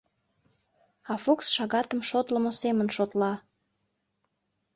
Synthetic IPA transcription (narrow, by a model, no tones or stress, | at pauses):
ɑfuksʃɑɣɑt̪əmʃot̪ləmosemənʃot̪lɑ